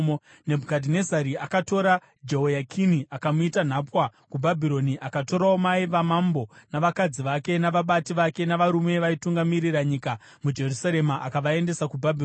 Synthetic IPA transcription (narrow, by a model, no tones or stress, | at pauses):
ne̞bʱukadʱine̞zaɾiakato̞ɾa | d͡ʒeɦojakʰiniʔakamuitan̤apwakubʱabʱiɾo̞niʔakato̞ɾaomaiʋamambo̞naʋakad͡ziʋake̞naʋaɓatiʋake̞naʋaɾume̞ʋaituŋɡamiɾiɾaɲika | mud͡ʒe̞rusaɾe̞maʔakaʋae̞nde̞sakubʱabʱir